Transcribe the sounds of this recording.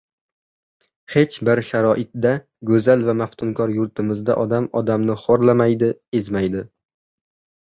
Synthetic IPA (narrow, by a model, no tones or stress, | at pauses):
he̞t͡ʃbɪɾʃaɾɒʔɪt̪̚d̪a | ɡɵzalvamaft̪ʰʊŋkʰɒɾjʊɾt̪ʰɪmɪzd̪a̰ʔɒd̪amɒd̪amnɪχoɾlamajd̪ɪe̞zmajd̪ɪ